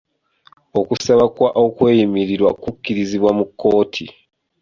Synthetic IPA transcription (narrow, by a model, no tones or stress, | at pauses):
o̞kusaβakwaʔo̞kwe̞ːjimiɾiɾwa̰kukːiɾiziβwamukːo̞ːtʰḭ